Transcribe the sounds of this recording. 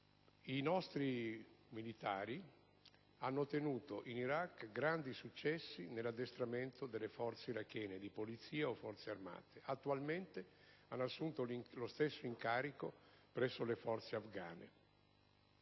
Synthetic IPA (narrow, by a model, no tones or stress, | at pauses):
inɔst̪ɾimilit̪a̰ːɾi | anːot̪enuːt̪oʔiniɾakːɡɾand̪isut͡ʃːɛsːinelːad̪ːest̪ɾament̪od̪elːefɔrt̪seiɾakːɛːned̪ipolit̪siːaofːɔrt̪searma̰ːt̪eʔat̪ːualment̪eanːoasːunt̪oŋlost̪esːoiŋkaːɾikopɾɛsːolefɔrt̪seafɡa̰ːnḛ